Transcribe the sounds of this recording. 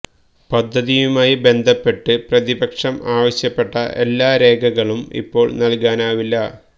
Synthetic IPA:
pɐd̪ʱːɐðijumaːjibe̞nd̪ʱɐpːe̞ʈːɨprɐðibɐkʂɐmaːʋɐɕjɐpːe̞ʈːɐ̰ʔe̞̰lːaːɾe̞ːɡʱɐɣɐɭumḭpːo̞ːɭnɐlkaːnaːʋilːɐ

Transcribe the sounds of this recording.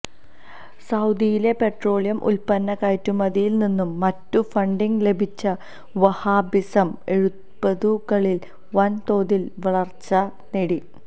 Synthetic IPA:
sɐwd̪ijile̞pe̞ʈro̞ːɭijɐmʔṵlpɐnːɐkaːjtːumɐðijilninːumːɐtːufɐɳɖiŋɡle̞bʱit͡ɕːɐ | ʋɐhaːbisɐme̞ɻu | pːɐðukɐɭil | ʋɐnt̪o̞ːðilʋɐɭɐrt͡ɕːɐ | neɽi

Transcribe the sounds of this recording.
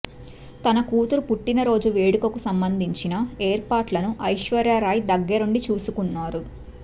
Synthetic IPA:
t̪ɐnɐkuːt̪uɾupuʈːinɐɾo̞ːd͡ʒuʋe̞ːɽukɐkusɐmbɐnd̪ʱiɲt͡ʃinɐeːɾpaːʈlɐnuʔɐjʃʋɐɾjaːɾaːjd̪ɐɡːɐɾuɳɖit͡ʃuːsukunːaːɾu

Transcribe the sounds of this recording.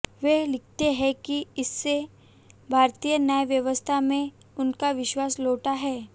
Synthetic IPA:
ʋelɪk̚ʰt̪eɦɛ̃kiɪsːe | bʱaːɾt̪ijənaeʋjəʋəst̪ʰamẽ | ʊnkaʋɪʃwaːsloːʈaɦɛː

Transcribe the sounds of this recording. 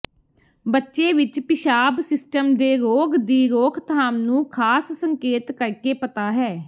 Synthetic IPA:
bətːʃeːʋɪt͡ʃpɪʃaːbsɪsʈəmd̪eːɾoːɡd̪iːɾoːkʰt̪ʰaːmnũːkʰaːssəŋkeːt̪kəɾkeːpət̪aːɦɛː

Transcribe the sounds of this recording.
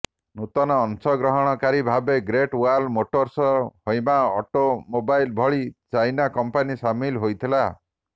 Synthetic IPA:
nut̪ɔnɔːnsɔɡɾɔɦɔɽ̃ɔkaɾibʱabeɡɾeʈualmoʈoɾsɔhojmaɔʈomobajlbʱɔɭit͡ʃajnakɔmpanisamilɦojt̪ʰila

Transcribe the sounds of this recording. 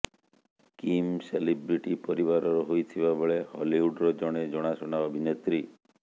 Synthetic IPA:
kimselibɾiʈipɔɾiβaɾɔɾɔɦojt̪ʰibabɔɭehɔ̰liuɖɾɔd͡ʒɔɽ̃ed͡ʒɔɽ̃asɔɽ̃aɔbʱinet̪ɾi

